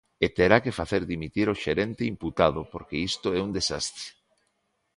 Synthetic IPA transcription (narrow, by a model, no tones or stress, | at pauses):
et̪eɾakefaθeɾðimit̪iɾoʃeɾent̪eimput̪aðopoɾkeist̪oɛund̪esast̪ɾe̥